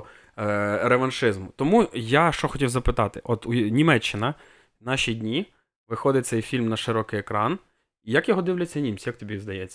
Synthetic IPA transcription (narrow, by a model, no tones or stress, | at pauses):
ɾeʋɐnʃɪzmʊt̪ɔmujaʃt͡ʃɔxɔtʲiwzɐpɪt̪ɑt̪ɪʔɔt̪unʲimɛt͡ʃːɪnɐ | nɑʃʲidʲnʲi | ʋɪxɔd̪ɪt̚ʲtsɛjfʲilʲmnɐʃɪɾɔkɪjekɾɑn | ijɐkjɔɦɔd̪ɪwlʲɐt͡sʲːɐnʲimt͡sʲjɐk̚t̪ɔbʲizd̪ɐjɛt͡sʲːɐ